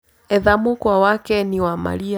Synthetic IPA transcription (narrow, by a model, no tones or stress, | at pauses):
ɛðamukwawakɛniwama̰lia